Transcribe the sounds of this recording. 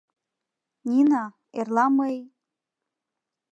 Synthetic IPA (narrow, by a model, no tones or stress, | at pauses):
nʲina | erlˠamej